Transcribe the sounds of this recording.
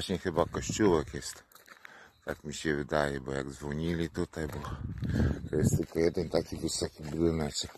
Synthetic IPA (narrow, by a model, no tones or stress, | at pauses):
aɕɲɛxɘbakɔɕt͡ɕuwɛkjɛst̪ | t̪akmʲiɕɛvɘd̪ajɛbɔja̰ɡzvɔɲilʲit̪ut̪ajbɔ | t̪ɔjɛst̪ːɘlkɔjɛd̪ɛnt̪akʲivɘsɔkʲibd̪ɘnasɛ